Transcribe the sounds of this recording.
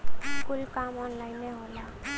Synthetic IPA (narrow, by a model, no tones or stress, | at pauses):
kʊlkamɔnlaɪnːeɦola